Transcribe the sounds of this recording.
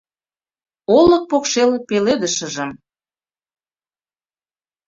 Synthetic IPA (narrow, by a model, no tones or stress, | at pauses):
olə̆k̚pokʃelpeled̪əʃə̆ʒə̆m